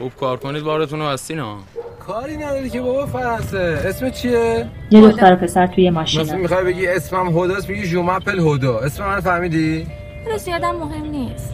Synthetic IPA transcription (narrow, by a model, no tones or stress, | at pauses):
xub̥̚kʰɒːɾkʰoniːd̪̚bɒːɾet̪ʰunobæst̪iːnɒ̰ː | kʰɒːɾiːnæd̪ɒːɾicebɒbɒfæɾɒnseesmett͡ʃʰijejed̪oxt̪æɾopʰe̞sæɾt̪ʰujemɒʃinimixɒjbe̞ɡɟiesmæmɦod̪ɒːsmeɟiʒumæpʰːelhod̪ɒesmemænfæɾmiːd̪i | alezijɒːd̪æmːoɦemniːs